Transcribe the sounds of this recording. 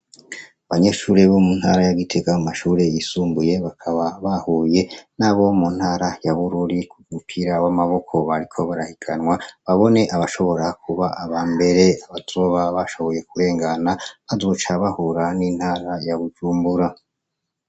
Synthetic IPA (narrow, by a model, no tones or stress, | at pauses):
aβaɲe̞ʃuːɾe̞βo̞munha̰ːɾajaɡitʰe̞ɡaumaʃuːɾe̞jisuːmbuje̞βakʰaβaβahuje̞naːβo̞mun̥haːɾajaβuɾuɾikʰuɡɡukʰiɾaβamaβo̞kʰo̞βaɾikʰo̞βaɾahiɡʰanŋwaβaβo̞ne̞ʔaβaʃo̞βo̞ɾakʰuβaʔaβaːmbe̞ɾe̞aβatoβaβaʃo̞βo̞je̞k̚uɾe̞ːŋɡanaβadot͡ʃaβahuɾaniːn̥haːɾajaβud͡ʒuːmbuɾa